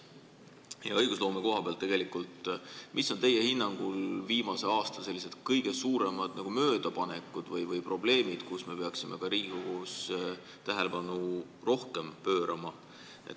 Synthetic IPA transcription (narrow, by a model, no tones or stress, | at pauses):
jɑ̰ɤ̞jɡ̥uslo̞ːmeko̞ɦɑb̥elt̪ːe̥elikːˑult̪mʔisːo̞nt̪e̞jːehinːɑŋɡ̥ulviːmɑse̞ɑːst̪ɑse̞lːise̞d̪̥kɤjɡ̥e̞suːɾe̞mɑd̪̥nɑɡ̥umø̞ːd̪̥ɑpɑne̞kːˑud̪̥vɤjvɤjpro̞b̥le̞ːmid̪̥kusme̞pe̞ɑksimʔe̞̰kɑɾiːɡikoɡ̥us | t̪æɦe̞lepɑnu | ro̞hke̞mpøːɾʔɑmɑ | ḛt̪